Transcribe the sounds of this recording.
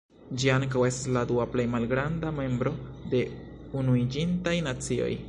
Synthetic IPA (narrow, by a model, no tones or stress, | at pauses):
d͡ʒiaŋkawe̞stasladuaple̞jmalɡɾandame̞mbɾo̞de̞ | unuid͡ʒintajnat͡sio̞̰j